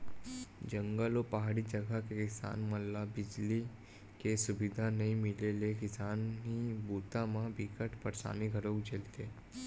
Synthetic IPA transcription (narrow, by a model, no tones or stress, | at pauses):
d͡ʒəŋɡəlopaɦaɽid͡ʒəɡʱakekɪsa̰nməlːabɪd͡ʒli | kesubid̪ʱanəɦimɪlelek̬ɪsanɦibut̪amãbikəʈpəɾsa̰niɡʱəɾokd͡ʒʱelt̪e